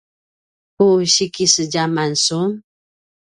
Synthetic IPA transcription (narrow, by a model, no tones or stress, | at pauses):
kuɕikisəɟamansum